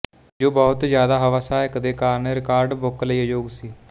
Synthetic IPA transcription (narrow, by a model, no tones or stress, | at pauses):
d͡ʒoːbɔːt̪zjaːd̪aːɦəʋaːsaːɦɛːkəd̪eːkaːɾneɾɪkaːɾɖbʊkləiːəd͡ʒoːɡsiː